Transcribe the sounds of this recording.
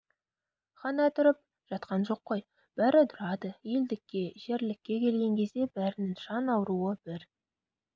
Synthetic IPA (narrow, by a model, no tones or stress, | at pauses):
χɑnɑt̪ʰʊɾəp̚ | ʒ̥ɑt̪qɑnʒo̞qːoj | b̥æɾɪt̪ʰʊɾɑd̪əje̞ld̪ɪkʲːe̞ʒe̞ɾlɪkʲːe̞kʲʰe̞lɡʲe̞ŋkʲʰe̞zd̪e̞bæɾɪnɪŋʒɑnɑwɾuəb̥ɪɾ